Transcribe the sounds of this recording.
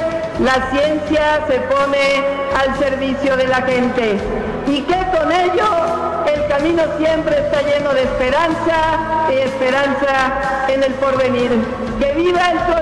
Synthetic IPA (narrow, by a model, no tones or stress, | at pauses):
lasje̞nsjase̞po̞ne | alse̞ɾβisjo̞ðe̞laxe̞nt̪e̞ | ike̞ko̞neʝo | e̞lkamĩno̞sje̞mpɾe̞ːst̪aʝe̞no̞ðe̞ːspe̞ɾansaiespe̞ɾansa | ene̞lpo̞ɾβe̞niɾ | ke̞βiβaelt̪o